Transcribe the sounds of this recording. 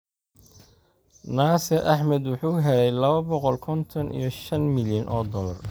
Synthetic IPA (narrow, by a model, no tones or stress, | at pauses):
naːsɛʔɑħmɐd̪wʊħuːɦɛlɛjlɐβɐbɔqɔlkʰɔnt̪ʰɔnḭjɞʃɐnmɪljɐnʔɔːd̪ɔːlɐr